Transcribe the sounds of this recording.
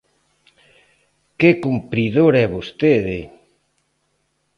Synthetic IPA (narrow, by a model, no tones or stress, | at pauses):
kekumpɾiðoɾɛβost̪eðɪ